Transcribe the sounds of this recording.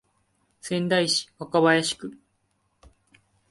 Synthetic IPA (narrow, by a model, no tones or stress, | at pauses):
sẽ̞nd̪aiɕi̥βakaβajaɕi̥kɯ̟